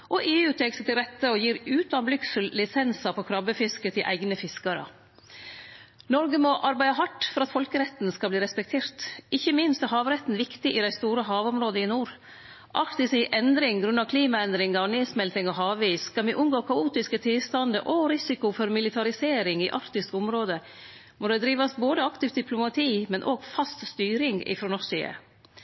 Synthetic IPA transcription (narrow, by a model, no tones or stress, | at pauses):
ʔɔʔeːʉːt̪ʰɛksət̪ʰɪlɾɛt̪ːəɔjiːɾʉːt̪ɑnblʏksəl̩lːɪsɛnsɑpʰɔkʰɾɑbəfɪskət̪ʰɪʔæ̰ɪɡnəfɪskɑɾə̰ | nɔɾɡəmɔʔɑɾbæɪəɦɑʈːfɔɾɑt̪fɔlkəɾɛt̪nskɑbliːɾɛspɛk̚t̪ʰeːɾt̪ʔɪçːəmɪnst̪æɾhɑːʋɾɛt̪ːn̩ʋɪkt̪ɪʔɪd̪æɪst̪uːɾəɦɑːʋɔmɾoːd̪əɪnuːɾ | ʔɑɾkt̪ɪsɪɪʔɛnd̪ɾɪŋɡɾʉnːɑkʰliːmɑɛnd̪ɾɪŋɑneːsmɛlt̪ɪŋɔɦɑːʋʋiːskɑlmiʔʉnɡoːkʰɑuːt̪ɪskət̪ʰɪlst̪ɑnd̪əʔɔɾɪsɪkʊfɔɾmɪlɪt̪ʰɑɾɪseːɾɪŋɪːʔɑɾt̪ɪskʊmɾoːd̪ə | mɔd̪ɛd̪ɾiːʋɑsboːd̪əɑkt̪ɪft̪d̪ɪpʰlʊmɑt̪ʰiːmɛnʔoːɡfɑst̪st̪yːɾɪŋɡɪ̰fɾɔnɔseːə̰